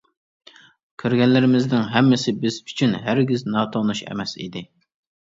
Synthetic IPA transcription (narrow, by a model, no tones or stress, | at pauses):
kʲʰøɾɡʲɛnlɪɾɪmɪznɪŋɦɛmːɪsɪbɪz̥y̥t͡ʃʰynɦæɾɡʲiznɑːt̪ʰonuʃɛ̰mɛsḭd̪ɪ